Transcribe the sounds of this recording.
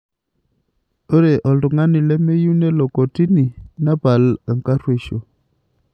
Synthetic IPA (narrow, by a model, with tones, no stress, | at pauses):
o˦ɾe˨ʔɔ˨ldu˨ŋa˦ni˨lɛ˦me˦ju˦ne˦lɔ˨kɔ˨ti˦ni˨na˦ba˨lə˨ŋka˦ɾwe˨ʃo˨